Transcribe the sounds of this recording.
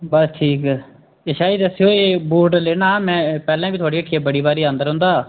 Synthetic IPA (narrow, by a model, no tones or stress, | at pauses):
bəsʈʰiːkː | eʃaːiːd̪əseoːeːbuːʈleːnãːmɛ̃ːpɛːlãːbiːt̪ʊaːɽiːəʈʰːiaːbəɽiːbaːɾiːə̃nd̪əɾɦʊ̃nd̪aː